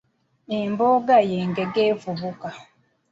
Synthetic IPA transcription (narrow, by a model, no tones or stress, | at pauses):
imboɡajeŋɡeɡevuβuka